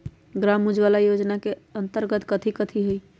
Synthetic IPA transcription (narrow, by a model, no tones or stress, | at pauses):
ɡɾamud͡ʒʋalajod͡ʒnakeənt̪əɾɡət̪kət̪ʰikət̪ʰiɦui